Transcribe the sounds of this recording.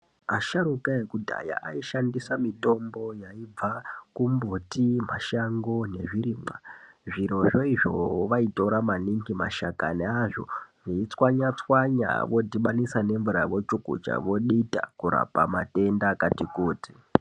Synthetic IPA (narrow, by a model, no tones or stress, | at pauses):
aʃaɾukaekudʱa̰ja̰ʔaiʃandisamito̞mbo̞jaib͡vakumbotim̤aʃaŋɡo̞ne̞ʐiɾiːmaʐiɾo̞ʐo̞iʐo̞̰ʋaito̞ɾamaniŋɡima̰ʃaka̰neaʐo̞̰ʐiit͡swaɲat͡swaɲa̰ʋo̞diɓanisane̞ɱvuɾaʋo̞t͡ʃukṵt͡ʃa̰ʋo̞ɗita̰kuɾa̰pa̰ma̰te̞ndakatikuːti̥